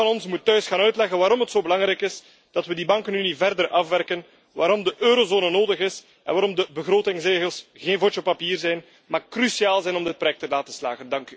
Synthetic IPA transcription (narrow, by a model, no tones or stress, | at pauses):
ɑnɔnsmutːœɥsxaːnœɥtlɛɣənʋaːɾɔmɦətsoːbəlɑŋɾɛjkɪs | d̥ɑtʋədibɑŋkənynivɛrdərʔɑfʋɛrkən | ʋaːɾɔmdəʔøːɾozoːnənoːdəɣɪs | ʔɛ̰nʋaːɾɔmdəbəɣroːtɪŋsreːɣəlˠsɣeːnvot͡ʃəpapiːrzɛjn | maːkrysiaːlˠzɛjnɔmdɪt̚pɾojɛk̚təlaːtəslaːɣəndɑŋky̥